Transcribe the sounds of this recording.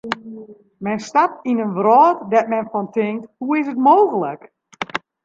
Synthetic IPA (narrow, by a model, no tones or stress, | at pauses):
mɛnstap̚tinənʋrɔːtdɛt̚mɛnfɔntɪŋk̚thuɪs̬ətmoːɣələk